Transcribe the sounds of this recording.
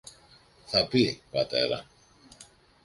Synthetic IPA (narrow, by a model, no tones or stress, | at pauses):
θapibat̪ḛɾa̰